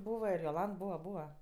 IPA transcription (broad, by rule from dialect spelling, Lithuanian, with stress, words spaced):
ˈbuːʋɐ ɪr joːˈlˠɐnt ˈbuːʋɐ ˈbuːʋɐ